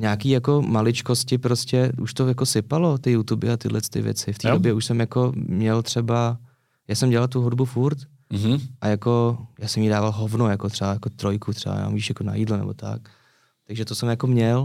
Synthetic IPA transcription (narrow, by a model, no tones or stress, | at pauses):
ɲaːkiːjako̞malɪt͡ʃkoscɪpɾoscɛʔṵʃt̪ojako̞sɪpalo̞t̪ɪjut̪ubɪ̰at̪ɪ̰dlɛt͡st̪ɪ̰vjɛ̰t͡sɪft̪iːdobjɛuʃsɛmjako̞mɲɛlt̪r̥ɛba | jaːsɛmɟɛlalt̪uɦudbufuɾt̪ | ʔajako̞jaːsɛmjidaːvalɦovnojakot̪r̥ɛbajako̞t̪ɾojkut̪r̥ɛ̰ba̰ja̰ːma̰mɟiːʃjakona̰jiːdlonɛ̰bo̞̰t̪a̰k̚ | t̪aɡʒɛt̪osɛmjako̞mɲɛl